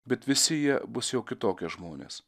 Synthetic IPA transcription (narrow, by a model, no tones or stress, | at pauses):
bʲɛt̪ʋʲɪsʲɪjiɛbʊsjɛʊkʲɪt̪oːkʲɛʒmoːnʲḛːs